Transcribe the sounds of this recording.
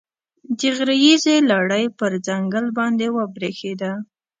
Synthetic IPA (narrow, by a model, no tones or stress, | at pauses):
d̪iɣɾajizelaɽəjpəɾd͡zaŋɡəlbɑnd̪ewəbɾexed̪a